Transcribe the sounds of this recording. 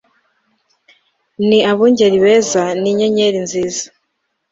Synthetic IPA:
niaβuːɲɟeɾiβeːzaniɲeɲeɾinziːzḁ

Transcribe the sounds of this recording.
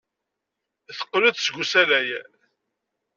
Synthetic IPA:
θə̥qːlæðsɡʷusælæj

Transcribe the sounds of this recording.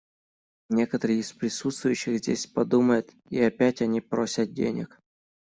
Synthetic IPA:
nʲe̞kət̪əɾɨɪspɾʲɪsut̪st̪vʊjʉɕːɪxzʲdʲḛsʲpɐd̪uməjʊt̪ | iɐpʲætʲɐnʲipɾosʲət̪̚dʲḛnʲɪ̰k

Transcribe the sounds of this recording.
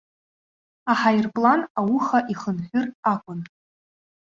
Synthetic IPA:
aħairpʼlanawʊχaʔiχənħʷʊrakʷʼʊn

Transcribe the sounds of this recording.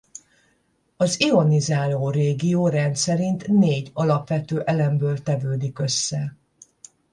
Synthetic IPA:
ɒzio̞nizaːloːreːɡijoːɾɛnt̪sɛɾint̪neːɟɒlɒpʋɛt̪øːʔɛlɛmbøːlt̪ɛvøːd̪ikø̞sːɛ

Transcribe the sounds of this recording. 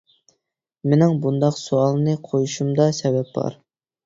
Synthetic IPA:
menɪŋbund̪ɑqsuɑlˠnɨqʰojuʃumd̪ɑsɛvɛp̚bɑ̰ɾ

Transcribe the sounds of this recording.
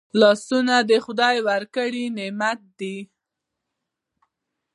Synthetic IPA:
lɑsunad̪əxʊd̪ɑjwaɾkəɽinɪmat̪̚d̪i

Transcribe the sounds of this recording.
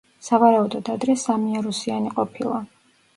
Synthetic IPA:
savaɾaud̪ɔd̪ad̪ɾɛsamiaɾusianiqʼɔpʰilˠa

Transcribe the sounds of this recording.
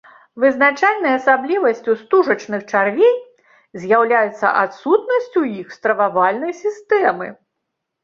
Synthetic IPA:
vɨznat͡ʂalʲnɐjɐsablʲivɐsʲt͡sʲust̪uʐɐt͡ʂnɨxt͡ʂarvʲej | zʲjawlʲajɛt̪sːɐ̰ʔat̪sut̪nɐsʲt͡sʲujixst̪ɾɐvavalʲnɐjsʲist̪ɛmɨ̰

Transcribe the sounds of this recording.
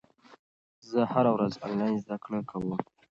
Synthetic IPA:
zəhaɾawɾaza̰lːɑjnzd̪akɽakʰawəm

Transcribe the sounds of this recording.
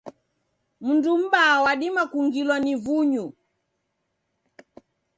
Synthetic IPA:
m̩ndum̩ɓawaɗimakuŋɡilwanivuɲu

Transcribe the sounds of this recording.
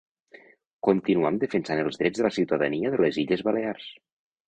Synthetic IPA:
kont̪inuamd̪əfənsanəlˠzðɾɛd͡zðələsiwt̪aðəniəðələziʎəzβalears

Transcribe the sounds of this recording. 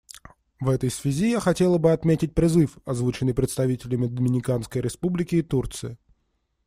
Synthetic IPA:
vɛt̪əjsvʲɪzʲijaxɐtʲe̞lˠəbɨɐt̪mʲetʲɪt̚ʲpɾʲɪzɨfɐzvut͡ɕɪnːɨjpɾʲɪt̪st̪ɐvʲitʲɪlʲɪmʲɪd̪ʊmʲɪnʲɪkanskəjɾʲɪspublʲɪkʲɪːt̪urt̪sɨjə

